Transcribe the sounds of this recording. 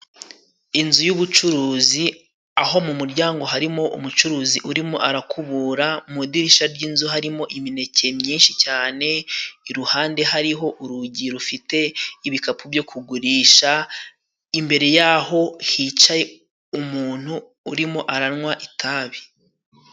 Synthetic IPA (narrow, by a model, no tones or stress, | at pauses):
inzujuβut͡ʃuɾuːzi | aho̞mumuɾɟaːŋɡo̞ɦaɾimo̞ʔṵmut͡ʃuɾuːziʔuɾimoʔaɾakʰuβuːɾamudiɾiʃaɾɟiːnzuɦaɾimo̞ʔimine̞ce̞mɲiːnʃicaːne̞iɾuhaːnde̞ɦaɾiɦo̞ʔuɾuɟiɾufite̞iβikapʰubjo̞kʰuɡuɾiːʃa | imbe̞ɾe̞jaːho̞hit͡ʃaje | umuːn̥huː | ɾimo̞ʔaɾanŋwaʔitʰaːβi